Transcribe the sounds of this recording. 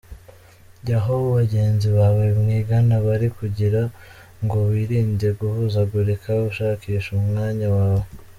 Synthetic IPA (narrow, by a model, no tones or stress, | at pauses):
jaɦoβoβaɟe̞ːnziβaβebŋiːɡanaβaɾikuɟiɾa | ŋɡo̞βiːɾiːnɟe̞ɡuhuːzaɡuɾekʰauʃaːkiːʃumŋaːɲawaːβo